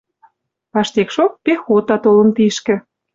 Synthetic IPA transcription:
pɑʃt̪ekʃok̚pexot̪ɑt̪olə̆nt̪iʃkĕ

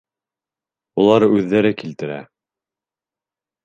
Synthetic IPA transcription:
ulˠɑɾʉðːæɾɘkilt̪ɘ̆ɾæ̰

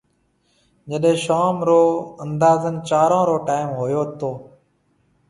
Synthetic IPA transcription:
d͡ʒəɗɦẽːʃaːmɾoːənd̪aːzənt͡ʃaːɾãːɾoːʈaːɪmɦoːjoːt̪ʰoː

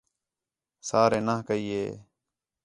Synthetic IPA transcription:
saːɾeːnaːkəiːeː

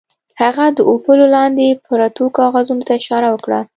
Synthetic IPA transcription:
haɣad̪əʔopəlolɑnd̪epəɾat̪okɑɣazunot̪aɪʃɑɾawəkɽa̰

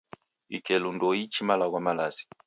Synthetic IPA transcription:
ḭkɛlundɔit͡ʃimalaɣwamalazi̥

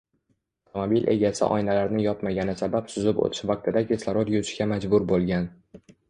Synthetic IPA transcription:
ft̪ʰomobilʔe̞ɡʲasɪ̰ʔɒ̰jnalaɾnɪjɒpmaɡʲanɪsabapsʊzɪpo̰t̪ʰɪ̥ʃvaq̚t̪ʰɪd̪akʲeslˠaɾot̪jʊt͡ʃʰɪɡʲamad͡ʒbʊɾbolˠɡʲan

